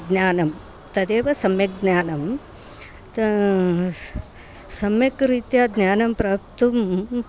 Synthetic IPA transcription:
ɡ̪njaːnɐm | t̪ɐd̪eːʋɐsɐmjɐk̚ɡnaːnɐm | t̪ | sɐmjɐkɾiːt̪jaːd̪naːnɐmpɾaːp̚t̪um

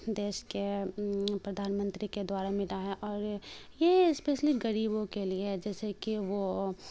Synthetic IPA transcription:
d̪eːʃke | pɾɐd̪ʱaːnmə̃nt̪ɾiked̪waːɾamɪlaɦɛʔɔːɾjeɪspeːʃlɪkɡɐɾiːbõkelieɦɛd͡ʒɛːsekiʋo

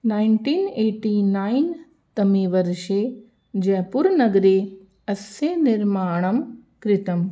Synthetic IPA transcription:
naːɪnʈiːneːʈinaːin | t̪ɐmiʋɐɾʃe | d͡ʒeːpuɾnɐɡɾe | ɐsenɪɾmaːɳ̃ɐmkɾɪt̪ɐm

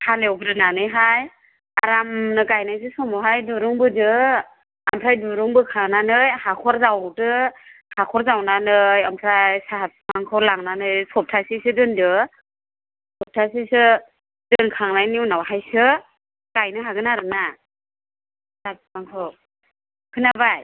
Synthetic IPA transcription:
halewbɯdɯnanɯjɦaj | aɾamnɯɡajnajs̬ɯsɔmɔɦajdɯɾuŋbɯdɯ | ampʰɾajdɯɾuŋbɯkʰaŋnanɯjhakʰɔɾzawdɯhakʰɔɾzawnanɯjampʰɾajsat̚maŋkʰɯɾlaŋnanɯjsɔp̚tʰasisɯdɯndɯ | sɔp̚tʰasisɯ | dɯnkʰaŋnajniwnawɦajsɯ | ɡ̥ajnɯɦaɡɯnaɾɯna | sap̚maŋkʰɯw | kʰɯnabaj

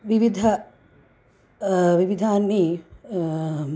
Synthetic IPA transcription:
ʋiʋid̪ʱɐ | ʋiʋid̪ʱaːnːi

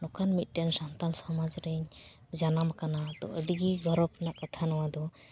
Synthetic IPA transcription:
nɔkanmit̪̚ˀʈɛnsant̪ansɔmad͡ʒɾɛɲ | d͡ʒanamkanad̪ɔ̰ʔəɖɡiɡʱɔɾɔpnaʔkat̪ʰanɔwad̪ɔ

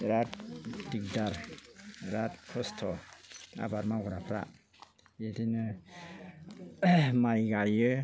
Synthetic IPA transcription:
ɾatdik̚daɾ | ɾat̚kʰɔstʰɔa̰baɾmaɡɔɾapʰɾa̰ʔ | jedinɯ | majɡajɯ

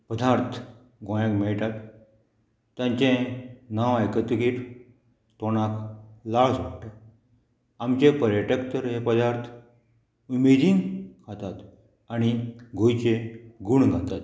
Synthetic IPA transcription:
pəd̪aɾt̪ʰ | ɡõjakmɛɭʈ̪at̪ | jãɲt͡ɕẽnaʋajkət̪ɡiʈ | t̪oñaklaɭsʋaɽʈ̪at̪ | amt͡ɕẽpəɾjəʈəkt̪əɾɦepəd̪aɾt̪ʰ | umed̪iŋkʰat̪at̪ | aɽ̃iɡʱojt͡ɕeɡuɳɡʱãnt̪at̪

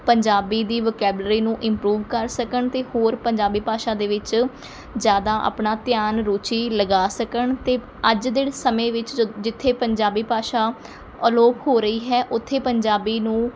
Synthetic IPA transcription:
pəɲd͡ʒaːbiːd̪iːʋəːkɛːblɾiːnũːʔɪ̃mpɾuːʋkəɾsəkəɳt̪eːhoːɾpəɲd͡ʒaːbiːpaːʃaːd̪eːʋɪt͡ʃ | zjaːd̪aːʔa̰ːpɳaːt̪ɪjaːnɾoːt͡ʃiːləɡaːsəkəɳt̪eː | əd͡ʒd̪eːɽsəmẽːʋɪt͡ʃd͡ʒɪt̪ʰːeːpəɲd͡ʒaːbiːpaːʃaː | əloːphoːɾəiːɦɛːʔʊt̪ʰːeːpəɲd͡ʒaːbiːnũː

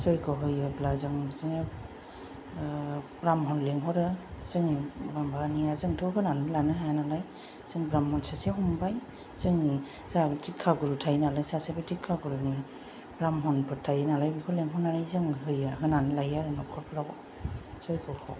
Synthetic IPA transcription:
sɔjkɔɦɯjɯblazɯŋzɯŋe | ɾamɦɔnleŋɦɔɾɯsɯŋibambanijazɯŋtʰɔɦɯnanɯlanɯɦajanalaj | z̥ɯŋbɾamhɔnsaseɦumbaj | sɯŋi | satʰikʰːaɡɔɾutʰajnalajsasabitikʰːaɡɔɾuni | bɾamɦɔnpʰɯtʰajnalajbikʰɔleŋɦɔnanajzɯŋɦɯjaɦɯnanɯlajaɾɯnɔkʰɔpʰɾaɔ | sɔjkɔkʰɔ̰

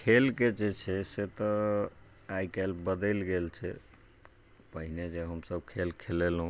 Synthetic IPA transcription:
kʰelked͡ʒet͡ʃʰɛset̪ɔ | ajkelbəd̪ɛlɡelt͡ʃʰɛ | pəɦined͡ʒeɦəmsəb̚kʰelkʰelelɦũ

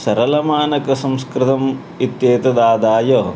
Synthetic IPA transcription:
sɐɾɐlɐmaːnɐkɐsɐ̃mskɾɪt̪ɐm | it̪jeːt̪ɐd̪aːd̪aːjɐ

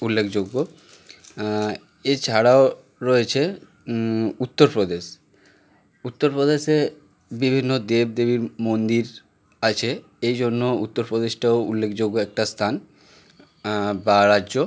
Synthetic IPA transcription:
ulːekʰd͡ʑoɡːo | et͡ɕʰaɽao | ɾɔet͡ɕʰe | ut̪ːoɾpɾod̪eʃ | ut̪ːoɾpɾod̪eʃe | bibʱinːod̪eb̚d̪ebiɾmond̪iɾ | at͡ɕʰe | ejd͡ʑonːout̪ːoɾpɾod̪eʃʈaoulːekʰd͡ʑoɡːoɛk̚ʈast̪ʰan | baɾaʑo

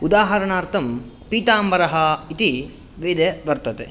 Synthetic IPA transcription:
ud̪aːɦɐɾɐɳaːɾt̪ʰɐm | piːt̪aːmʋɐɾɐɦɐit̪i | ʋeːd̪eʋɐɾt̪ɐt̪eː

